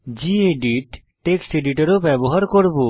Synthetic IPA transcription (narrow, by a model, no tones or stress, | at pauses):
d͡ʑieɖiʈ | ʈːeksʈeɖiʈaɾobɛboɦaɾkoɾbo